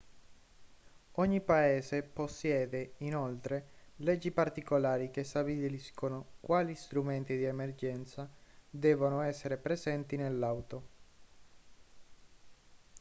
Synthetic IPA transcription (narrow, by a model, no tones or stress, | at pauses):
oɲːipaeːseposːjɛːd̪einolt̪ɾelɛd͡ʒːipart̪ikolaːɾikest̪abilliskonokwaːlist̪ɾument̪id̪iemerd͡ʒɛnt̪sad̪ɛːvonoɛsːeɾepɾezɛnt̪inelːawt̪o